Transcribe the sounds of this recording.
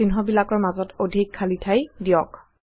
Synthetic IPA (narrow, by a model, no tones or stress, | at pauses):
inɦɔbilakɔɹmazɔtodʱikʰːalitʰajdijɔk